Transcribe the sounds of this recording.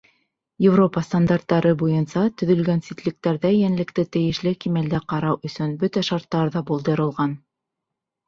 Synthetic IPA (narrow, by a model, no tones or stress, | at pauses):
jɪvro̞pɑst̪and̪art̪ːɑɾɤbujɤnsɑt̪ɵ̆ðɵ̆lɡænsit̪lɘ̆k̚t̪æɾðæjænlɘ̆kt̪ɘt̪ɘ̆jɘ̆ʃlɘkimæld̪æqɑɾɑwɵ̆sɵnbɵt̪æʃɑɾt̪ːɑɾðɑbulˠd̪ɤ̆ɾɤ̆lˠʁɑn